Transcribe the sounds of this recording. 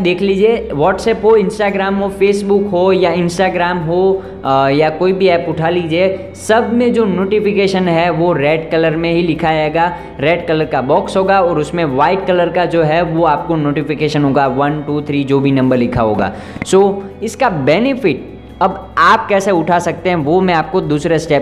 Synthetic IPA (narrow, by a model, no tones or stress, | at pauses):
d̪eːkʰliːd͡ʒieʋɔːʈsɛːpɦoɪ̃nsʈaːɡɾaːmɦofeːsbʊkɦojaɪ̃nsʈaːɡɾaːmɦo | jakoːibʱiɛːpʊʈʰaliːd͡ʒie | sɐbʱmẽd͡ʒoːnoːʈɪfɪkeːʃənɦɛʋoɾɛːɖkɐləɾmẽɦilɪkʰad͡ʒaeːɡaː | ɾɛːɖkɐləɾkabɔːksɦoːɡaɔːɾʊsmẽʋaːɪʈkɐləɾkad͡ʒoːɦɛʋoaːp̚konoːʈɪfɪkeːʃənɦoːɡaʋɐnʈuːt̪ʰɾiːd͡ʒoːbʱinɐ̃mbəɾlɪkʰaɦo̰ːɡa̰ː | soːɪskabɛːnɪfɪʈ̚ | ɐbaːp̚kɛːseʊʈʰasɐk̚t̪ẽɦɛ̃ʋomɛ̃aːp̚kod̪uːsɾesʈɛː